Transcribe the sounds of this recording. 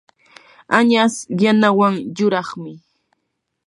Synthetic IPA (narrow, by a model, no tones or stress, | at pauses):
aɲasjanawaŋjʊɾɑχmɪ